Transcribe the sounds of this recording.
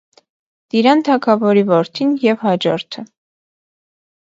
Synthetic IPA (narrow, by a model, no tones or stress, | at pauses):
d̪̥iɾɑnt̪ʰɑkʰɑvɔɾivɔɾt̪ʰinjɛvhɑd͡ʒɔɾt̪ʰə